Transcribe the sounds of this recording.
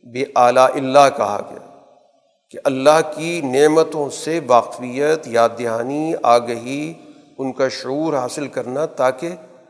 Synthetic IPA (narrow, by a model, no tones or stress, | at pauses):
beʔaːlaːʔɪlːaɦkɐɦa̰ɡɐ̰ja̰ː | keʔɐlːaɦkineːmət̪õseʋaːqfijət̪jaːd̪ɪɦaːniaːɡɐɦi | ʊnkaʃʊuːɾɦaːsɪlkɐɾnat̪aːke